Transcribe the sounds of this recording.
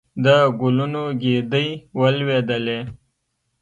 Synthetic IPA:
d̪əɡʊlunoɡed̪əjwəlwed̪əle

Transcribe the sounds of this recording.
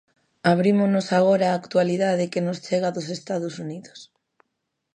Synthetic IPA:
aβ̞ɾimonosaɣ̞oɾaːkt̪ualiðaðɪkenost͡ʃeɣ̞aðosest̪aðosuniðos

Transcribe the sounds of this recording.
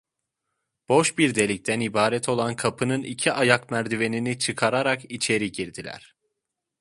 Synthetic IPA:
b̥o̞ʃbiɾd̪e̞lʲic̚t̪ʰænibaːɾɛt̪ʰo̞lˠankʰapʰɯnɯnḭcʰiʔajakmæɾd̪ive̞ninit͡ʃʰɯkʰaɾaɾakit͡ʃʰe̞ɾiɟiɾd̪ilʲæ̰ɾ̥

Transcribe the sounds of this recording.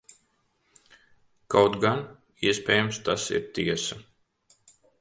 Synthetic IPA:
kawt̪ɡan | iɛspʲɛːjumst̪asḭɾt̪iɛsɐ

